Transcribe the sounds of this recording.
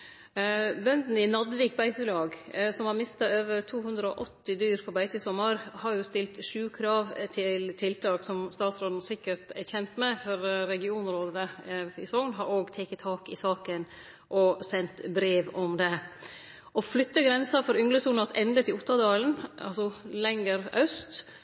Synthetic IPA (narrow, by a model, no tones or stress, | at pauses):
bœnd̪n̩ɪnɑd̪ʋiːk̚bæɪt̪əlɑːɡsɔmhɑɾmɪst̪ɑøːʋəɾt̪ʰuːhʉnd̪ɾəɔʔɔt̪ːɪd̪yːɾpʰɔɾbæɪt̪əsɔmːəɾhɑɾjʊst̪ɪlt̪ʂʉːkʰɾɑːʋt̪ʰɪlt̪ʰɪlt̪ʰɑːksɔmst̪ɑːt̪sɾoːd̪n̩sɪkːəɾt̪ɛçɛnt̪mɛfɔɾɾɛɡɪuːnɾoːd̪əəɪ̰sɔŋnɦɑɾoːɡt̪ʰɛkːət̪ʰːɑːkɪsɑːkən | ʔɔsɛnt̪bɾeːʋɔmd̪ɛ | ʔɔflʏt̪ːəɡɾɛnsɑfɔɾʏŋləsuːnɑt̪ɛnd̪ət̪ʰɪlʊt̪ːɑd̪ɑːln̩ɑ̰lsɔlɛŋəɾœst̪